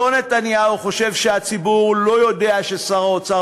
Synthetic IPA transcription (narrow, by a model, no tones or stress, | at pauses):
one̞t̪anjauχo̞ʃe̞vʃe̞at͡sibuʁlo̞jo̞d̪e̞aʃe̞saʁot͡sa